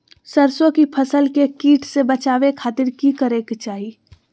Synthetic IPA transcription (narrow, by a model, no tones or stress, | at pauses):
səɾsõkipʰəsəlkekiːʈʰsebət͡ʃaːʋekʰaːt̪ɪɾkikəɾekt͡ʃaːɦi